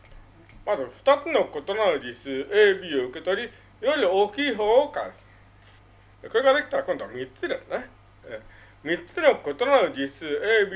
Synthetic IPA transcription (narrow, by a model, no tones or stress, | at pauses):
mazɨɸɯ̟̥t̪at͡sɨno̞ko̞t̪o̞nanɯd͡ʑisɨːeːbʲioɯ̟ke̞t̪o̞ɾʲi | joɾʲiooːkʲiːɦoːoka̰d̪s | eko̞ɾe̞ɡad̪e̞kʲi̥t̪aɾakõ̞nd̪oamʲit͡sɨɾesne | e | mʲit͡sɨnʲokot̪onaod͡ʑisɨːeːbʲi